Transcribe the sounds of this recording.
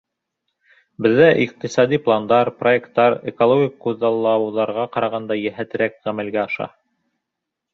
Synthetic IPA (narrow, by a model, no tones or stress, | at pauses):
bɘ̆ðːæʔiq̚t̪isɑd̪iplˠand̪ɑɾproekt̪ːɑɾekolˠoɡʲikːʉðːɑlˠːɑwðɑɾʁɑqɑɾɑʁɑnd̪ɑjæɦæt̪ɘ̆ɾækʁæmælɡæɑʃɑ̰